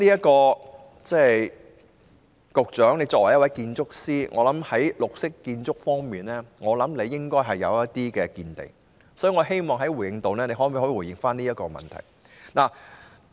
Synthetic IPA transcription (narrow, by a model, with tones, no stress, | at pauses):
niː˥jɐ˥tkɔː˧ | t͡sɛː˥˨ | kʊ˨k̚t͡ʃœː˨˥ŋne˨˧jt͡sɔː˧k̚wɐ˨˩jɐ˥twɐ˨˥jkiː˧nt͡sʊ˥k̚siː˥ŋʔɔ̰ː˨˧lɐ˨˥mhɐ˨˥jlʊ˨k̚sɪ˥kːiː˧nt͡sʊ˥k̚fɔː˥ŋmiː˨nlɛː˥ŋɔː˨˧lɐ˨˥mle˨˧jːɪ˥ŋkɔː˥jɦɐ˨jːɐ̰˨˧wjɐ˥tt̪iː˥kɛː˧kiː˧nt̪ḛ˨˩ŋ | sɔː˨˥ji˨ŋɔː˨˧ɦe˥jmɔː˨ŋɦɐ˨˥jwu˨˩jɪ˧˩ŋt̪o˨wnɛː˥ne˨˧ɦɔː˨˥miː˧˥ho˨˥˧wuː˨˩jɪ˨˩ŋfaː˥niː˥jɐ˥tkɔː˧mɐ̰˨˩nt̪ʰɐ̰˨˩jnaː˨˩